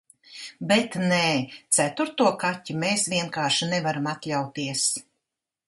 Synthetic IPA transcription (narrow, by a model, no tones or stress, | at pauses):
bɛt̪neːt̪sæt̪uɾt̪uɔkatʲːumeːsvʲiɛnkaːʃinɛvaɾamat̪lʲawt̪iɛs